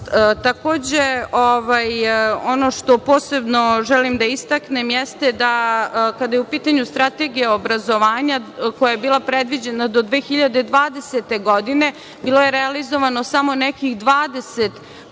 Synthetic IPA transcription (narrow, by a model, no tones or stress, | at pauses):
t̪ako̞ːd͡ʑeoʋajo̞no̞ʃt̪o̞po̞ːsebno̞ʒɛlimd̪aist̪aknemjɛst̪ed̪akad̪ajeupiːt̪aɲust̪ɾat̪e̞ɡijaobɾazo̞ʋaːɲakojajebiːlˠapɾed̪ʋid͡ʑe̞nad̪o̞d̪ʋeːxiʎad̪ed̪ʋaːd̪eset̪e̞ɡo̞d̪ine̞ | biːlo̞je̞ɾealizo̞ʋanosamo̞nɛkixd̪ʋaːd̪eset̪